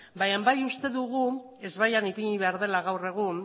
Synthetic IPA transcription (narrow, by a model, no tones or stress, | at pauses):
bajambajust̪e̞ðuɣ̞u | e̞zβajanipiɲiβe̞aɾðe̞laɣawre̞ɣ̞un